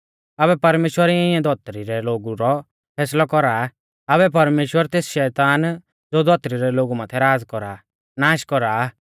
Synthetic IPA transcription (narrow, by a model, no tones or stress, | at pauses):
ɐbɛpɐɾmeːʃwəɾiɪ̃ãd̪ʱɔt̪ɾiɾɛloːɡuɾɔ | pʰɛːslɔkɔɾaː | ɐβɛp̬ɐɾmeːʃwəɾt̪eːsʃɛːt̪aːn | d͡zoːd̪ʱɔt̪ɾiɾɛloːɡumãːt̪ʰɛɾaːd͡zkɔɾaː | naːʃkɔɾaː